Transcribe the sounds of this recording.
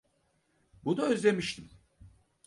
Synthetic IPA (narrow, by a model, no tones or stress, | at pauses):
bunuøzlʲe̞miʃt̪ʰim